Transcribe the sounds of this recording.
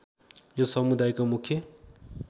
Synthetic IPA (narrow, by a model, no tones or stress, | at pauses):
josʌmud̪ajkomukʰjʌ